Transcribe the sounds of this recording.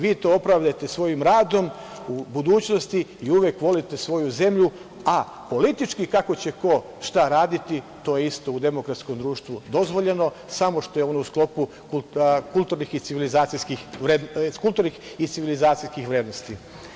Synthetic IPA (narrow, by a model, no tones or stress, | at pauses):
ʋiːt̪o̞opɾaʋʎat̪esʋo̞jimɾaːd̪o̞m | ubud̪uːt͡ɕno̞st̪iiuʋjekʋo̞lit̪esʋo̞juze̞mʎu | a | po̞lit̪it͡ʃkikako̞t͡ɕe̞ko̞ | ʃt̪aɾaːd̪it̪i | t̪o̞jeist̪o̞ud̪e̞mokɾat̪sko̞md̪ɾuːʃt̪ʋud̪o̞zʋo̞ʎe̞no̞ | samo̞ʃt̪o̞jeo̞nousklo̞pu | kukulˠt̪uɾnixit̪siʋilizaːt̪sijskixʋɾed̪kult̪uːɾnix | it̪siʋilizaːt̪sijskixʋɾeːd̪no̞st̪i